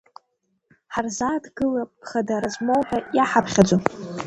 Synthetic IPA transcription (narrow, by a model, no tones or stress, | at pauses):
ħarzadɡɨlapʼχadaɾazmowħajaħapʰχʲad͡ʒʷo